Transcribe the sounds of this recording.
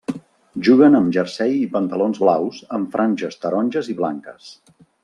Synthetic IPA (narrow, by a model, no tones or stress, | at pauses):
ʒuɣənəmʒərsɛjipənt̪əlonzβlawzəɱfɾʔanʲʒəst̪əɾɔnʲʒəziβla̰ŋkə̰s